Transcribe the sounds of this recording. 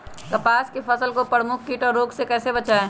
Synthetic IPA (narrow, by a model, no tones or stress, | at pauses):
kɐpaːskefʰɐsəlkopəɾmʊkʰːiːʈɔːɾoːɡsekɛːsebɐt͡ʃaːeː